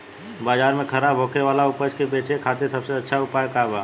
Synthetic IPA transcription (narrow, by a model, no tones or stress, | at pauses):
baːd͡ʒaːɾmẽkʰəɾaːbʱɦoːkeʋaːlaʊpət͡ʃkepeːt͡ʃʰekʰaːt̪esɐbseɐtːʃʰaʊpaːjkaːbaː